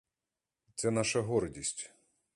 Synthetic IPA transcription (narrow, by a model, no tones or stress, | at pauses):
t̪sɛnɑʃɐɦɔɾdʲisʲtʲ